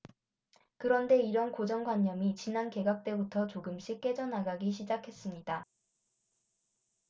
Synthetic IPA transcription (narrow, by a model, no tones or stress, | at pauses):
kɯɾʌnde̞iɾʌnkod͡ʑʌŋɡwaɲːʌmit͡ɕinanke̞ɡak̚t͈e̞butʰʌt͡ɕoɡɯmɕ͈ʰik͈e̞d͡ʑʌnaɡaɡiɕʰid͡ʑakʰe̞s͈ɯmɲida